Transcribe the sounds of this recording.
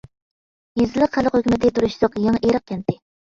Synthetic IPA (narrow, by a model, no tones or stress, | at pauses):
jizɪlˠəqχæləqhøkʲymɪt̪ʰɪt̪ʰuɾuʃsɑqjɑŋeɾəq̚kʲʰɛnt̪ɪ